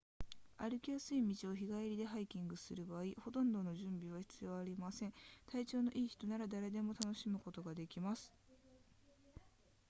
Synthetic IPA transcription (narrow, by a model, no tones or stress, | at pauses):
aɾɯ̟kʲijasɨimʲit͡ɕio̞çiɡaiɾʲid̪e̞ɦaikʲĩŋɡɯ̟sɨɾɯ̟baːiho̞t̪õ̞nd̪o̞no̞ʑɨ̃mbʲiβ̞açi̥t͡sɨjo̞ːaɾʲimasẽ̞ɴ̃t̪ait͡ɕo̞ːno̞ʔiːçi̥t̪o̞naɾad̪aɾe̞d̪e̞mo̞t̪ano̞ɕimɯ̟ko̞t̪o̞ɡad̪e̞kʲimasɨ̥